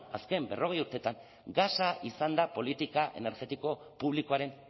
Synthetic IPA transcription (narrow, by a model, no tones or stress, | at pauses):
aske̞mbe̞̰rʔo̞ɣ̞e̞juɾt̪e̞t̪aŋ | ɡasaisand̪apo̞lit̪ikaʔe̞̰ne̞ɾɣe̞t̪iko̞ | puβliko̞aɾe̞n